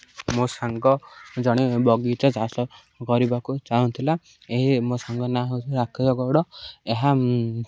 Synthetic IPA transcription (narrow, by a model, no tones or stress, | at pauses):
mosaŋɡɔd͡ʒɔɽ̃ibɔɡit͡ʃɔd͡ʒasɔ | kɔɾibakut͡ʃaunt̪ʰila | eɦimosaŋɡɔnaɦewt͡ʃʰuɾakʰɔd͡ʒɔɡɔɽɔeɦa